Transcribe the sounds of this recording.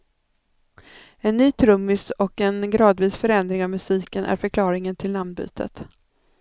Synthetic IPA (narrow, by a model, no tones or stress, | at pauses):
ɛnːyːt̪ʰɾɵmːɪst̪ɔkɛnɡɾɑːd̪viːsfœɾɛnd̪ɾɪŋavmɵsiːkənʔæ̰ɾfœɾkʰlɑːɾɪŋənt̪ʰɪlːand̪̚by̰ːt̪ʰə̰t̪